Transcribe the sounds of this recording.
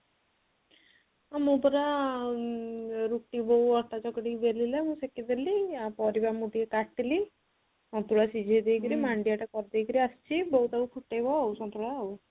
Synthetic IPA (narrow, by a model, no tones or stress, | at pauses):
amũpɔɾa | ɾuʈibɔɦuɔʈat͡ʃɔkɽibelilamũsekid̪elipɔɾibamud̪iekaʈili | sɔnt̪ɾuɭasid͡ʒʱed̪ejkɔɾimaɳɖijaʈakɔɾd̪ejkɔɾiast͡ʃʰibɔɦut̪aupʰuʈːajbɔausɔnt̪ɾuɭaaw